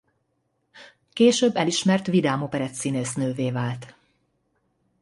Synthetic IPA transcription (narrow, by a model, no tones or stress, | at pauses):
keːʃøːbːɛliʃmɛrt̪ʋid̪aːmopɛɾɛt̪sineːsnøːveːvaːlt̪